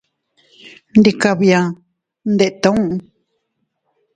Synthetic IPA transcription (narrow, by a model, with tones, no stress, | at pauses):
nd̪i˧ka˧βia˨ | nd̪e˨ʔt̪a˦ũ˦ʔ